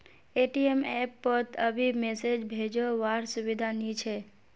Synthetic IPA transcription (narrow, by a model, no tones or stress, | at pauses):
eʈiemɛpːət̪ʰəbimesed͡ʒbʱed͡ʒoʋaɾsuʋid̪ʱanit͡ʃʰe